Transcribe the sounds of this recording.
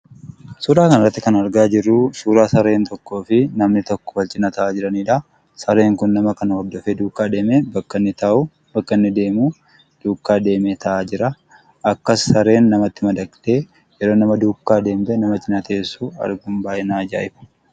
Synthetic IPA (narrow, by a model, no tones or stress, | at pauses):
suːɾaːkɐnɐrɐt̪ːɪkɐnɐɾɡaːd͡ʒɪrːuːsuːɾaːsɐɾe̞ːnt̪ɔkːo̞ːfɪnɐmnɪt̪ɔkːɔ̥fɐlt͡ʃʼɪnɐt̪ɐʔaːd͡ʒɪɾɐniːᶑa | sɐɾe̞ːŋkʊnːɐmɐkɐnɐwɐb̚d̪ɔfeːd̪uːkːaːd̪e̞ːmebɐkːɐnːɪt̪ɐʔʊ | bɐkːɐnːɪd̪e̞ːmuː | d̪̥uːkːaːd̪e̞ːmeːt̪ʰɐʔaːd͡ʒɪɾɐ | ʔɐkːɐsːɐɾe̞ːnːɐmɐt̪ːɪmɐd̪ɐkt̪e̞ː | jɛɾo̞ːnɐmɐd̪uːkːaːd̪e̞ːmd̪ɛnɐmɐt͡ʃʼɪnɐt̪e̞ːsːuːɐ̰ɾɡʊmbaːʔɪnaːd͡ʒaːʔɪfɐ̥